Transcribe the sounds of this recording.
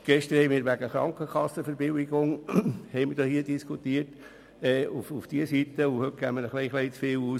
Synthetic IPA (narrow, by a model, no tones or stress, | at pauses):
ɡ̥ɛʃtəɾ̩hɛɪmiːɾʋæɡəχɾɑ̰ŋkəkʰɑsːəfəɾbɪwiɡʊŋhɛɪməɾd̥oːhiːədiskʰutiːət | ɛːufufd̥iəsitəuhøt̚ɡ̥æːmːəɾəχliɪχlɛɪt͡sfɪːluː